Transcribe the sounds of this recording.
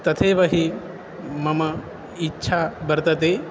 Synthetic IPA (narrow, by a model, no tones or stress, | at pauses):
t̪ɐt̪ʰeːʋɐɦi | mɐmɐ | itːʃʰaːbɐɾt̪ɐt̪eː